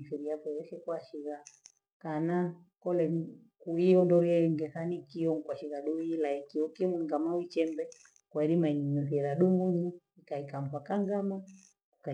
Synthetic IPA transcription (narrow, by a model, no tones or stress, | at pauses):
fiɾiapɛɛsɛkwaʃiɣa | kana | kɔlɛ | kuiɔndɔɾiɛŋɡɛθanikiɔŋkwaʃiɣaɗuilaikiɔkimuŋɡamawit͡ʃɛmbɛ | kwaiɾimaiɲinuθiɛɾaɗumuɲu | ikaikam̩pakaŋɡama | kuka